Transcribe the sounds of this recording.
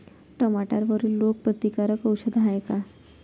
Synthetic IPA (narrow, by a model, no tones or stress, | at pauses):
ʈəmaʈaɾʋəɾiːlːok̚pɾət̪ikaɾəkəwɕəd̪ɦajka